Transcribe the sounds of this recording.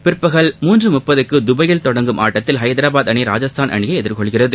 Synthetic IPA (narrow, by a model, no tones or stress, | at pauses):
pɪɾpːɐɣɐɭmuːndrɯmʊpːɐðɯkːɯd̪ʊbɐjɪlt̪ɔɽɐŋɡɯmʔa̰ːʈːɐt̪ːɪlɦɐɪd̪ɐɾaːbaːd̪ɐɳiɾa̰ːd͡ʒɐst̪ʰaːnʔɐ̰ɳɪjɐɛðɪɾkɔɭɣɪrɐðɯ